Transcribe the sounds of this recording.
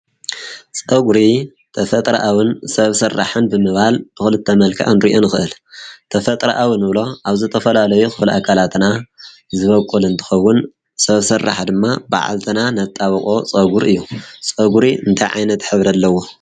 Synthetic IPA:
t͡sʼɐɡɾi | t̪ʰɐfɐt̪ʼɾɐʔawɨnsɐβsɐrːa̰ħɨnbɨmɨβhalb̥ɨxɨlɨt̪ʰːɐmɐlkʰa̰ʔɨnɾiʔo̞nɨxɨʔɨlt̪ʰɐfɐt̪ʼɾa̰ʔawɨnɨβlo̞ʔaβzɨt̪ʰɐfɐlalɐjuxɨfɨlʔakʰalat̪na | zɨβɐkʼːulɨnt̪ʰɨ̥xɐwːʊn | sɐβsɨrːa̰ħd̪ɨmːaba̰ʕa̰lt̪ʰɨnanɐt̪ʼːaβɐkʼo̞t͡sʼɐɡuɾɨjːut͡sʼɐɡuɾiɨnt̪ʰajʕa̰jnɐt̪ħɨβɾɐlːɐwo̞

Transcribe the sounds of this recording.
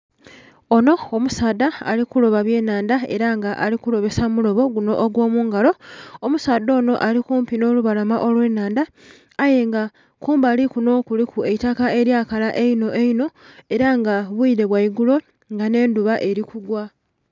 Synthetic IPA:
ono̞ːmusaːd̪a̰ːlikulo̞βaβje̞ːnaːndae̞ɾaŋɡaʔalikuɾo̞βe̞samulo̞βo̞ɡuno̞ʔːɡwo̞ːmuːŋɡalo̞omusaːd̪o̞ːno̞ʔalikuːmpino̞ːluβalamaʔo̞lwe̞ːnaːndaː | je̞ŋɡa | kuːmbalikuno̞ːkulikʰue̞itakae̞ɾjaːkalaʔeino̞ʔeino̞e̞ɾaŋɡaβwuiːɾe̞βwaiɡulo̞ | ŋɡane̞ːnduβaʔe̞ɾikuɡwa

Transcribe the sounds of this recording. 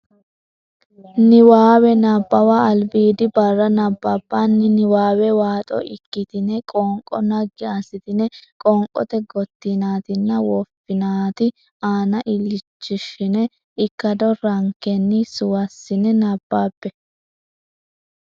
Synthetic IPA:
nɪwaːwɛnabːɐwaɐlbiːd̪ɪbɐrːɐnɐbːabːaːnːɪnɪwaːwɛwaːt̪ʼɔ̰ʔɪ̰kːɪt̪ɪnɛkʼɔŋkʼːɔ̰nɐɡɪɐsɪt̪ɪnɛkʼɔŋkʼːɔ̰t̪ɛɡɔt̪ːɪnaːt̪ɪnːɐwɔfɪnaːt̪ɪ | aːnɐʔɪlɪt͡ʃːɪʃɪnɛ | ɪkːɐd̪ɔɾɐŋkɛnːɪsʊwɐsːɪnɛnɐbːaːpːɛ

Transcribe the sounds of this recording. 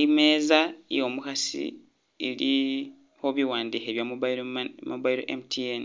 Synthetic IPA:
ime̞ːzajo̞mukasḭ | eli | ho̞βiwaːndiːxeβjamumuβaiɾoʔemtʰien

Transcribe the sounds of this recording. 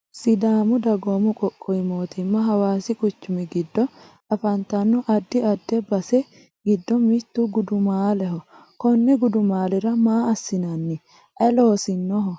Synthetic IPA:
sɪd̪aːmʊd̪ɐɡoːmʊkʼɔkʼːɔjɪmoːt̪ɪmːɐɦɐwaːsɪkʼʊt͡ʃːʊmɛɡɪd̪ːɔ | ɐfɐnt̪ɐnːɔʔɐd̪ːɪɐd̪ːɛbɐsɛ | ɡɪd̪ːɔmɪt̪ːuɡʊd̪ʊmaːlɛɦɔ | kɔnːɛɡʊd̪ʊmaːlɛɾɐmaːɐsːɪnɐnːɛ | ʔɐloːsɪnːɔɦɔ

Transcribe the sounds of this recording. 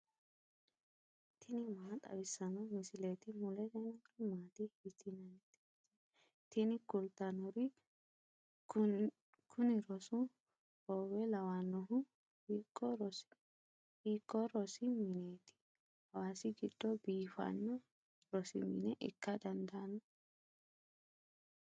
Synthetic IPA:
t̪ʰɪnɪmaːt̪ʼɐ̰bɪsːɐnɐmɪsɪlet̪ɪmʊlɛd̪ɛnɐkɪmaːt̪ɪhɪt̪ːɪnɐnt̪ː | t | t̪ɪnɪkʊlt̪ːɐnɔɾɪ | kʰʊnɪɾɔsʊ | oːwɛlɐwaːnːɔɦʊ | hiːkʼːɔɾɔs | hiːkʼːɔɾɔsɪmɪneːt̪ɪ̥ | hɐwaːsɪɡɪd̪̥ːɔbiːfɐ̰nːɔ | ɾɔsɪ̰mɪ̰nɛʔɪ̰kːɐd̪ɐnd̪ɐnɔ

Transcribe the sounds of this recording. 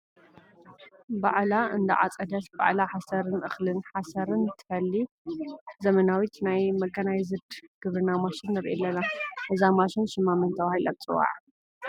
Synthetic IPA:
baʕlaɨnd̪ɐ̰ʕa̰t͡sʼɐd̪ɐt̪ba̰ʕlaħasɐɾɨnʔɨxlɨnħasɐɾɨnt̪ʰɨ̥fɐlːi | zɐmɐnawit̪najmɐɡɐnajzɨd̪ɡ̥ɨβɾɨnamaʃɪnːɨɾʔelːɐnaʔɨzamaʃɪnʃɨmːamɨnt̪ʰɐβahilʔa̰t̪t͡sʼɨwːa̰ʕ

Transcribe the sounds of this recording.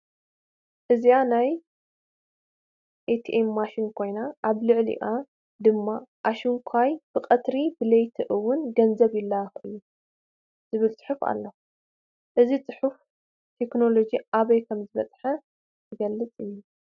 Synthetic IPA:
ʔɨzianaj | ʔet̪ʰʔemːaʃinkʰo̞jnaʔaβlɨʕlḭʔa | d̪ɨmːaʔaʃiŋkʷʰajb̥ɨqʼɐt̪ɾibɨlɐjt̪ʰɨʔɨwʊnɡɐnzɐβjɪlːaxʔɨjːu | z̥ɨβɨlt͡sʼɨ̥ħufa̰lːɐx | ʔɨzit͡sʼɨħuf | t̪ʰe̞kno̞lo̞d͡ʒiʔaβɐjkʰɐmzɨβɐt͡s̪ʼħɐ | zɨɡɐlːɨt͡sʼɨjːu

